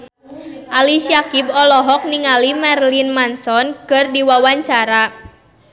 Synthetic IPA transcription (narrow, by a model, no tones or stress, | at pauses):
ʔaliʃiakib̚ɔlɔɦɔk̚niŋalimɛrlinmansɔnkɨrdiwawaɲt͡ʃaɾa